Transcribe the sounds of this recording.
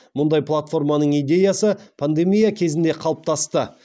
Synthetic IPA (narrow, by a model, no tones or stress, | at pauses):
mʊnd̪ɑjpʰlˠat̪fo̞rmɑnəɴijd̪ʲe̞jasəpʰand̪e̞mijakʲʰe̞zɪnd̪e̞qʰɑlˠəp̚t̪ʰɑst̪ə